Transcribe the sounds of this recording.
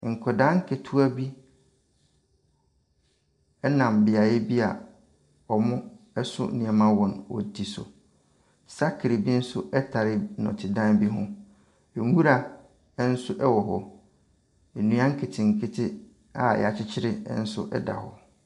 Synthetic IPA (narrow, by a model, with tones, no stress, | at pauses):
ŋ̩˨kʰɔ˨dã˦ŋ̩˦kʰe˨tʰu˦a˦bi˦ | ɛ˦nã˨m˨bɪ˨a˨jɛ˦bi˦a̰˨ | ɔ˨mʊ̃˦ | ɛ˦sʊ̰˦nĩ˨a˨mã˦wɔ̃˨nwɔ̰˨dʰi˨sʊ̰˨ | sa˦kʰɪ˨ɾe˨bi˦n̩˦sʊ˦ʔɛ˦tʰa˨ɾɪ˦nɔ̰̃˨tʰɪ˨dã˦nbi˦ɦʊ̰̃˦ | ɛ˨ŋ˦u˦ɾa˨˦ | n̩˦sʊ˦ʔɛ˦wɔ˨ɦɔ˦ | e˨nũ˦ã˦ŋ̩˦kʰe˨tʰɪ̃˨ŋ̩˨kʰɪ˦tʰɪ˦ | a̰˦˨jɛ̰˨a˨t͡ɕʰɪ˦t͡ɕʰɪ˦ɾɪ˦n̩˦sʊ̰˦ʔɛ̰˦da̰˨hɔ̰˨